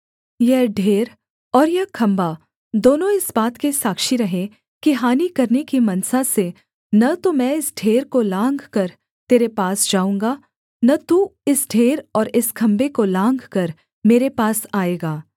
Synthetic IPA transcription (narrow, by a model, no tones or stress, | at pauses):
jɛɦɖʱeːɾ | ɔːɾjɛkʰɐ̃mba | d̪oːnõɪsbaːt̪kesaːkʃiɾɐɦẽ | kiɦaːnikɐɾnekimɐnsase | nɐt̪omɛ̃ːɪsɖʱeːɾkolãːŋɡkɐɾ | t̪eːɾepaːsd͡ʒaːũːŋɡa | nɐt̪uɪsɖʱeːɾɔːɾɪskʰɐ̃mbekolãːŋɡkɐɾ | meːɾepaːsaːeːɡaː